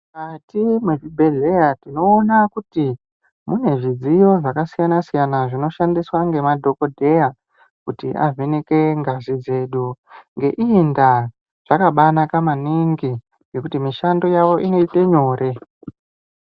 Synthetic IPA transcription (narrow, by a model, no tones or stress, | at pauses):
katimweʐibʱe̞ɮe̞jatino̞ːnakuti | mune̞ʐid͡zijo̞ʐakasijanasijanaʐino̞ʃandiswaŋɡe̞madʱo̞ko̞dʱe̞ja | kutiʔa̰veneke̞ŋɡazid͡ze̞ɗuŋɡe̞ʔiːnda | ʐ̥akaɓanakamaniŋɡi | je̞kutimiʃando̞jaʋo̞ʔino̞ite̞ɲo̞ːɾe